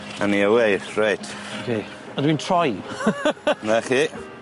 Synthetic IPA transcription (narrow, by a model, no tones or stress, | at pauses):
a̰niəwejrajtʰokʰeː | ədwintʰrɔj | naχi